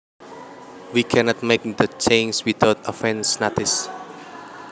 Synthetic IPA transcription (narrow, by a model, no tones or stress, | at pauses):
wikʰɛnɔt̪̚mek̚d̪ət͡ʃẽnswitaʊt̪əfɛ̃nsnat̪ɪs